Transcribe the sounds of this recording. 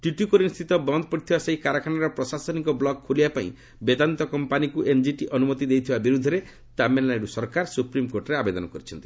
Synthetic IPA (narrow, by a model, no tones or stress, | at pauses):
ʈuʈjukɔɾinst̪ʰit̪ɔbɔnd̪ʱpɔɽit̪ʰibaseikaɾakʰanaɾɔpɾɔsasɔnikɔblɔɡ̚kʰːulibapaḭ̃ | bed̪ant̪ɔkɔmpanikuʔend͡ʒiʈiʔɔnumɔt̪id̪ejt̪ʰibabiɾud̪ʱːɔɾe | t̪amenlaɖusɔɾkaɾsupɾimkoɾʈɔɾeabed̪ɔnɔkɔɾit͡ʃʰɔnt̪i̥